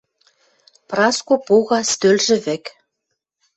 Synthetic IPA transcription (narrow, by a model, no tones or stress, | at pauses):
prɑskopuɣɑst̪ølʒɘ̆βɘ̆k